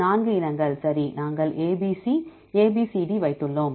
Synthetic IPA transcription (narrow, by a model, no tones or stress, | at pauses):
aːnɡɯɪnɐŋɡɐɭsɐɾinaːŋɡɐɭʔeːbisi | eːbiːsiɖiʋɐɪt̪ːɯɭːoːm